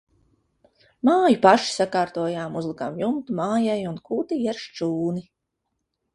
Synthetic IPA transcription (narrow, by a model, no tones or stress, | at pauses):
maːjupaʃi̥sakaːɾt̪uɔjaːmuzlˠikaːmjumt̪umaːjajunkuːt̪iɛɾʃt͡ʃuːni